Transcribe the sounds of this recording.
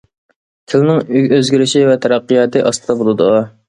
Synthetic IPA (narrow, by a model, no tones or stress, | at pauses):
t̪ʲʰɪlnɪŋyøzɡʲiɾɪʃɪvɛt̪ʰæɾɑqːɨjɑːt̪ʰɨʔɑst̪ɨd̪ɑbolˠɨd̪ʊ̰ʁɑ